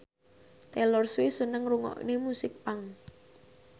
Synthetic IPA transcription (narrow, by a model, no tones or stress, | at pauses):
t̪ɛlɔrswisunəŋruŋɔ̰ʔnemusɪk̚paŋ